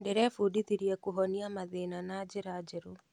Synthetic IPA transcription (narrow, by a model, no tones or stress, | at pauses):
ɖeɾɛfuɖit̪iɾiɛkuɦoniamaðenanaːd͡ʒiɾaːd͡ʒeɾu